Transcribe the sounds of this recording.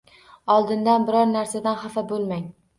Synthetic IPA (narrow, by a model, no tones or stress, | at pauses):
ɒlˠd̪ɪnd̪anbɪɾɒɾnaɾsad̪anχafabolˠmaŋ